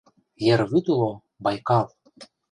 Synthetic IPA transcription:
jeɾβyd̪ulˠo | bɑjkɑl

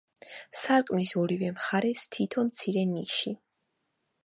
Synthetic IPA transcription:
saɾkʼmisɔɾivɛmχaɾɛst̪ʰit̪ʰɔnmt̪sʰiɾɛniʃi

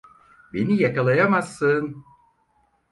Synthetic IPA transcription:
benijakalˠajamasːɯn

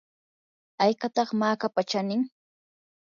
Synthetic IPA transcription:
ajkat̪ɑχmaːkapat͡ʃanɪŋ

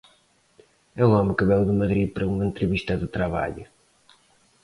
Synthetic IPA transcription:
ɛuɔmɪkɨβɛlðɨmɐðɾipɐɾɐuŋɐẽnt̪ɾɨβiʃt̪ɐðɨt̪ɾɐβa̰ʎʊ

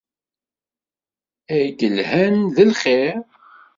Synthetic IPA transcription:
æɡəlhænðəlχe

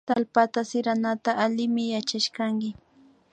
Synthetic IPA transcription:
t̪alpat̪asɪɾanat̪aʔːlɪmɪjat͡ʃaʃkaŋkɪ

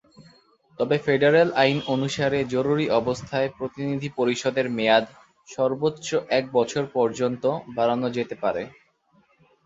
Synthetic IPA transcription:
t̪ɔbefeɖeɾelajnonuʃaɾed͡ʑoɾuɾiʔɔbost̪ʰaepɾot̪inid̪ʱipoɾiʃɔd̪eɾmejad̪ | ʃɔɾbotːɕʃoʔɛk̚bɔt͡ɕʰoɾpɔɾd͡ʑont̪obʱaɾanod͡ʑet̪epaɾe

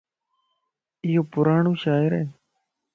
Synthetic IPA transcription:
ɪjoːpʊɾaːɳõːʃaːɪɾeː

